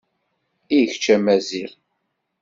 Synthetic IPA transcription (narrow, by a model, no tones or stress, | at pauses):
ijəçt͡ʃːæmæziɾ